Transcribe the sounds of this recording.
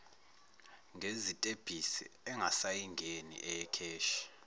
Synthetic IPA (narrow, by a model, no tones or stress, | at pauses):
ŋʱezitʼeb̥ʱisɛ̰ɛŋɡʱasajiŋɡʱenḭʔɛjɛkʰeːʃi̥